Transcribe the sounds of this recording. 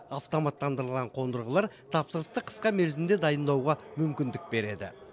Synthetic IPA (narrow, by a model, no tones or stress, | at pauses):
aft̪o̞mat̪ːɑnd̪əɾəlˠʁɑɴqʰo̞nd̪əɾʁəlˠɑɾ | t̪ʰɑpsəɾəst̪əqʰə̥sqɑmelzɪnd̪e̞d̪ɑjənd̪ɑwʁɑmʏmkʲɪnd̪ɪk̚be̞ɾe̞d̪ɪ̰